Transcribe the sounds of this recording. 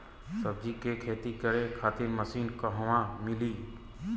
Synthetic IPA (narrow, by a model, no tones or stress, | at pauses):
səb̚d͡ʒikekʰeːt̪ikəɾekʰaːt̪ɪɾməsiːnkəɦəʋãmɪliː